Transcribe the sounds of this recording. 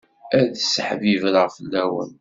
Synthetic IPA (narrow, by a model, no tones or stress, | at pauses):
æðəsːəħvivəlʁfəlːæwə̰n